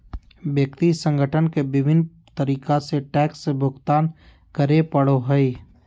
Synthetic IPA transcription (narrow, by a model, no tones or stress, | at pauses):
bjəkt̪isə̃ŋɡʱəʈʰənkebɪbʱɪn | t̪əɾiːkaseʈɛːksːebʱʊɡt̪aːn | kəɾepəɽoɦəi